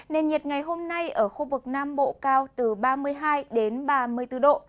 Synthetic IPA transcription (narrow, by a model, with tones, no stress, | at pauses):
ne˨˩nɲi˨˩t̚ŋa˨˩jɦo˧mna˧jʔəː˧˩xu˧vɨ˨˩k̚naː˧mɓo̰˧˨kaː˧wt̪ɨ˨˩ɓaː˧mɨ˧əjɦaː˧jɗe˨˦nɓaː˧mɨ˧əjt̪ɨ˧˩ɗo̰˧˨